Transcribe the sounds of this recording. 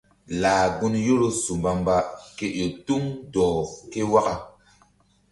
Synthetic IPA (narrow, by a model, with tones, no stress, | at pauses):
laː˨ɡu˦njo˦ɾo˦su˨mba˨mba˨ke˦ʔo˨tu˦mdɔː˨ke˦wa˦ka˨